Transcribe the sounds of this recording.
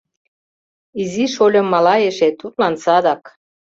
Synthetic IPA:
iziʃolʲɤ̆mːɑlɑeʃet̪ut̪lɑnsɑd̪ɑk

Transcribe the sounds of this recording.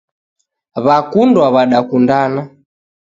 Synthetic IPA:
βakundwaβaɗakundana

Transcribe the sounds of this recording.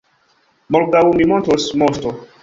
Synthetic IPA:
molɡawmimõntosmost̪o

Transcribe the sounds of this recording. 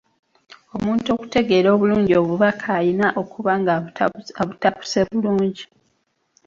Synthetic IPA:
o̞muːnto̞ːku̥te̞ɡe̞ːɾo̞ːβuluːɲɟio̞βuβakʰaːjinaʔo̞kuβaŋɡaβutapu̥se̞βuluːɲɟi

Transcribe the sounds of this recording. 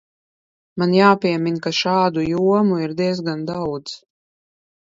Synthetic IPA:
manjaːpʲiɛminkaʃaːd̪ujuɔmuiɾd̪iɛzɡand̪awd̪z

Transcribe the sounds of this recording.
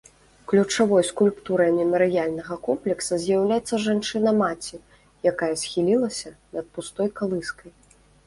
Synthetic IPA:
klʲut͡ʂavɔjskulʲpt̪uɾɐjmʲɛmɐɾɨjalʲnɐɣɐkɔmplʲɛksɐzʲjawlʲajɛt̪sːɐʐant͡ʂɨnɐmat͡sʲi | jakajɐsʲxʲilʲilˠɐsʲɐnɐt̪̚pust̪ɔjkalˠɨskɐj

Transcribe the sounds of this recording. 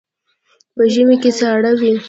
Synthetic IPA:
pəʒəmeket͡saɽawi

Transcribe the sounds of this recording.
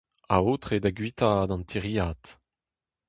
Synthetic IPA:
a̰oːt̪χed̪aɡɥit̪ad̪ɑ̃nt̪ʰiʁiaːt̪

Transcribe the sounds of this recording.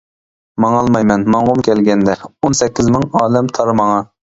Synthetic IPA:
mɑŋɑːlˠmɑjmɛnmɑɴʁomkʲʰɛlɡʲɛnd̪ɛonsɛkʲːɪzmɪŋɑːd̪ɛmt̪ʰɑɾmɑŋɑ

